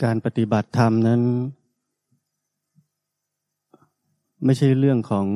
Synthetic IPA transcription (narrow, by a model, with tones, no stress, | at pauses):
kaː˧npa˧t̪i˧˦ba˨˩t̪ʰːa˧mna˦˥˨n | ma˥˩jt͡ɕʰa˥˩jɾɯ˥˩əŋkʰɔː˩˦ŋ